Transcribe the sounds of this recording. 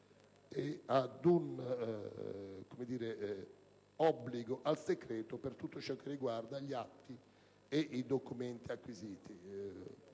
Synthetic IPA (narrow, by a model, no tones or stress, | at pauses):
ead̪un | komed̪iːɾe | ɔbːliɡoʔalsekɾeːt̪opert̪ut̪ːot͡ʃɔkːerːiɡward̪aʎiat̪ːi | eʔid̪okument̪iakːwiziːt̪i